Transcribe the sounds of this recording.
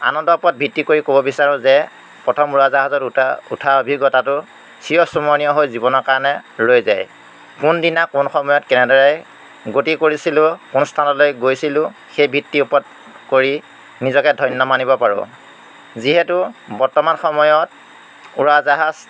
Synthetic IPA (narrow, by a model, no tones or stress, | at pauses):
a̰nɔndɔupɔt̚bʱitːikoɹikobɔbisaɹʊ̃zɛ | pɹɔtʰɔmuɹazaɦazɔtṵtʰaobʱiɡɔtatʊ | sijɔsumɔnijɔɦojzibɔnɔɹkaɹɔnɛlojza̰j | kʊndinakunxɔmɔjɔtkɛnɛdɔɹɛj | ɡotikoɹisilʊ̃kunɔstʰanɔtlojɡojsilʊ̃ | xejbʱitːiupɔt̚ | koɹi | nizɔkɛdʱɔjnːɔmanibɔpaɹʊ̰̃ | ziɦɛtʊbɔɹtɔmanxɔmɔjɔt̚ | uɹazaɦaz